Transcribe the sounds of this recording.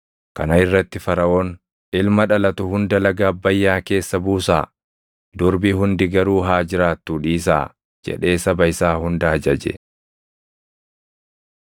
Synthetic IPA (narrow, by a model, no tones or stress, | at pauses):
kɐnɐɪrːɐt̪ːɪfɐɾɐʔo̞ːn | ɪlmɐᶑɐlɐt̪ʊhʊnd̪ɐlɐɡaːbːɐjːaːke̞ːsːɐbuːsa̰ː | d̪ʊɾbɪɦʊnd̪ɪɡɐɾuːɦaːd͡ʒɪɾaːt̪ːuᶑiːs̬a̰ː | d͡ʒɛ̰ᶑe̞ːsɐbɐɪsaːhʊnd̪ɐːd͡ʒɐd͡ʒɛ̰